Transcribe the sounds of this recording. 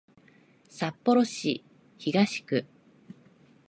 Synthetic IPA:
sapːo̞ɾo̞ɕi | çiɡaɕi̥kɯ̟

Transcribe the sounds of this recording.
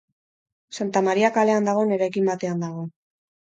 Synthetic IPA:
sant̪amaɾiakale̞and̪aɣ̞o̞ne̞ɾajkimbat̪e̞and̪aɣ̞o̞

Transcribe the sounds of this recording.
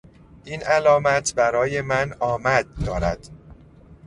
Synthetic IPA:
ʔiːnʔælɒːmæt̪ʰbæɾɒːje̞mænɒːmæd̪̚ːɒːɾæ̰d̪̥

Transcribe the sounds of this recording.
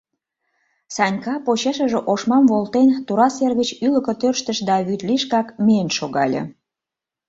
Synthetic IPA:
sɑnʲkɑpot͡ɕeʃə̆ʒeʔoʃmɑmvolˠt̪ent̪uɾɑserɣət͡ɕylə̆kə̆t̪ørʃt̪ə̆ʃd̪ɑβyt̪liʃkɑkmeənʃoɣɑlʲḛ

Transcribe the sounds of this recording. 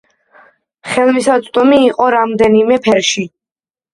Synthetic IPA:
χɛlˠmisat̪sʼt̪ʼumiːqʼɔɾamd̪ɛnimɛpʰɛɾʃi

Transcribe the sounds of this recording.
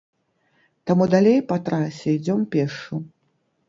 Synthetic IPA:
t̪amud̪alʲejpɐt̪ɾasʲɛid͡zʲɔmpʲɛʂu

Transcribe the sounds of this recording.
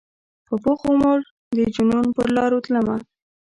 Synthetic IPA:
pəpoxomoʐ | d̪əd͡ʒununpəɾlɑɾot̪ləma

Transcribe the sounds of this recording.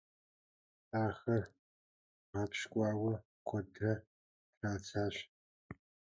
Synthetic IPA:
aːxɐr | aːpɕkʷʼɑːwɐ | kʷʰɐdrɐ | draːt͡sʰaːɕ

